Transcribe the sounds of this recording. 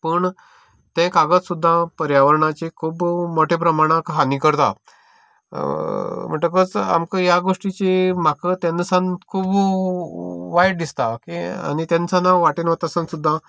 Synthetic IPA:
pəɳ | t̪ɛ̃kaɡət̪sud̪ʱːãpəɾjaʋəɾɳat͡ɕekʰuːbmoʈʰep̬ɾəmaɽ̃ãkɦanikəɾt̪a̰ | m̤əɳʈəkət͡sa̰mkəjaɡoʂʈit͡ɕem̤akət̪ɛ̃nsankʰuːb | ʋajɽd̪ist̪akia̰ñit̪ẽnsanaʋaʈinʋət̪asənsud̪ʱːã

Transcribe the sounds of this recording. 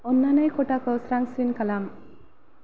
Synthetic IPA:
ɔnːanajkɔʈakəsɾaŋsinkalam

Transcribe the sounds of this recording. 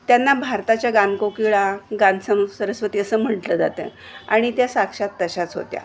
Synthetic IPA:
t̪janːabʱaɾt̪at͡ɕjaɡankokiɭaɡansəmsəɾəsʋət̪iəsəːm̤əʈləd͡za̰t̪ə̰ | a̰ɽ̃it̪jasakʂat̪ːəɕat͡sɦo̰t̪ja̰

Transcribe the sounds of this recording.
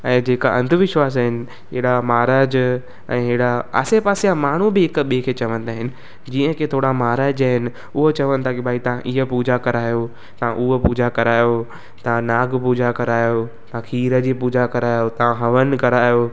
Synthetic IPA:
ɛ̃ːd͡ʑeːkaʔɐ̃nd̪ʱʋɪʃwaːs̬aːɦɪnɪ̆ | eɦɪɽamaːɾaːd͡ʑ | ɛ̃ːɦeɽaa̰ːsepaːsijamaːɳ̤ubɪɦɪkɓikʰet͡ɕɐʋə̃nd̪aːɦɪnɪ̆ | d͡ʑiːə̃kʰet̪ʰoːɽamaːɦɾaːd͡ʑaːɦɪnɪ | ʊɦot͡ɕɐʋə̃nɪ̆t̪ʰakibʱaːit̪ɐʋ̤ãʔiɦəpuːd͡ʑakɐɾaːjo | t̪ɐʋ̤ãʔuɦəpuːd͡ʑakɐɾaːjo | t̪ɐʋãnaːɡpuːd͡ʑakɐɾaːjot̪ɐãkʰiːɾə̆d͡ʑiːpuːd͡ʑakɐɾaːjot̪ɐʋãɦɐʋən̆kɐɾaːjo

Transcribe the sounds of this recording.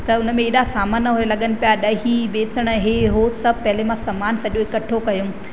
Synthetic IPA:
t̪ɐʊnə̆mẽːɗasaːmənəɦoɾelɐɠənɪ̆pijaɗɐɦibeːsəɽ̃əɦeɦosɐb̚ʱpɐɦɪlemãsɐmaːnsɐʄõɪkɐʈʰokɐjũ

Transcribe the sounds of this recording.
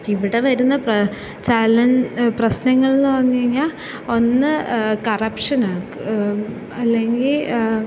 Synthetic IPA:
iʋiɽe̞ʋɐɾunːɐprɐ | t͡ɕalɐnprɐɕnɐŋːɐɭnːɨʋɐnːijɐŋːaː | o̞nːɨkɐrɐpʂɐnaːkːu | ɐlːe̞ŋɡil

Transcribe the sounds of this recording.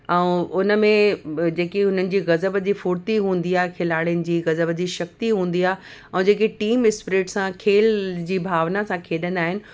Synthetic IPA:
ɛ̃ũʊnə̆mẽd͡ʑeːkiʊn̤ənɪ̆d͡ʑiːɣɐzəbəd͡ʑiːfʊːɽt̪iɦũːn̆d̪iaːɦkʰɪlaːɽijənɪ̆d͡ʑiːɣɐzəbd͡ʑiːʃɐk̚t̪iɦũːn̆d̪iaːɦ | ɛ̃d͡ʑeːkeʈiːmɪspɾeːʈsãkʰeːld͡ʑiːbʱaːʋnasãkʰeːɗə̃naːɦɪnɪ̆

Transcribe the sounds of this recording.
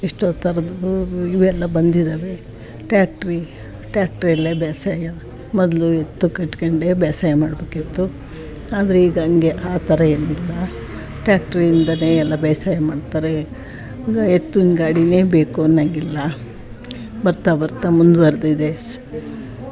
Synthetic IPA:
iʂʈoːt̪ʰɐɾɐd̪iʋɛlːɐbɐnd̪id̪aːʋe̞ | ʈaːk̚ʈɾi | ʈjaːk̚ʈɾiɛlːebaːsaːjɐ | mɔd̪luet̪ːukeʈːkɐɳɖebɛːsaːjɐmaːɽbeːkit̪ːu | aːd̪ɐɾeiːɡɐːŋɡe̞ʔaːt̪ʰɐɾɐeːnilːɐ | ʈjaːk̚ʈɾiːnd̪ɐne̞ːɛlːɐbɛjsaːjɐmaːɖt̪aːɾe | ɐet̪ːunɡaːɽine̞ːbeːkunːɐŋɡilːɐ | bɐɾt̪abɐɾt̪amund̪bɐɾd̪id̪e

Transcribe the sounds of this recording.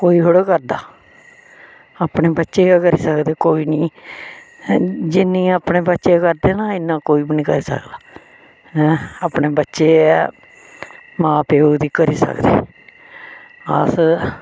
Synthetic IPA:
koːiːɦoɽekəɾd̪a̰ː | aːpɳeːbətːʃeːakəɾiːsəkd̪eːkoːiːnĩː | d͡ʒɪnːĩːaːpneːbətːʃeːkəɾd̪eːnãːɪnːãːkoːiːbinĩːkəɾiːsə̰kd̪aː | aːpneːbətːʃeː | mãːpeːoːd̪iːkəɾiːsə̰kd̪ḛː | əs

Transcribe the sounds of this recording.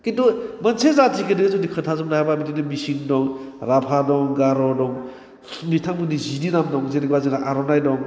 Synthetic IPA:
kitɔmɐnsezatʰikɯdɯzudikʰɯntʰazɯmdahajbamitʰidɯmisiŋdɔŋɾapʰadɔŋɡaɾɔdɔŋ | mitʰaŋmɯdizidinamdɔŋzeɾikbaziŋdaʔaɾɔnajdɔŋ

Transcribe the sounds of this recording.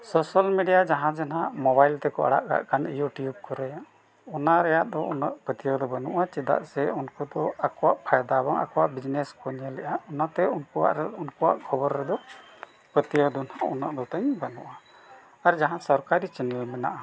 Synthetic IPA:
sɔsalmiɖijad͡ʒaɦãd͡ʒanaʔmɔbajlt̪ɛkɔa̰ɽa̰ʔɡa̰ʔkanijuʈjub̚kɔɾɛ | ɔnaɾɛjaʔd̪ɔuna̰ʔpət̪ijɔd̪ɔbanuʔat͡ʃɛd̪a̰ʔsɛunkɔd̪ɔakɔwaʔpʰajd̪abɔŋa̰kɔwaʔbid͡ʒnɛskɔɲɛlɛʔaɔnat̪ɛunkɔwa̰ʔɾɛunkɔwa̰ʔkʰɔbɔɾːɛd̪ɔ | pət̪ijɔd̪ɔnhauna̰ʔd̪ɔt̪aɲbanṵʔa | aɾd͡ʒaɦãsɔɾkaɾit͡ʃɛnɛlmɛna̰ʔa

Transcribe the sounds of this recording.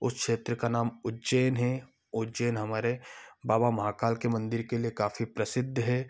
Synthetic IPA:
ʊskʃeːt̪ɾəkanaːmʊd͡ʒeːjnɦɛ | ʊd͡ʒeːnɦɐmaːɾebaːbamɐɦaːkaːlkemɐ̃nd̪ɪɾkeliekaːfipɾɐsɪd̪ʱːɦɛː

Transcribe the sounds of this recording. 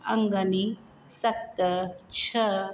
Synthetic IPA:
ɐ̰ŋɡɐni | sɐt̪ːət͡ʃʰɐ

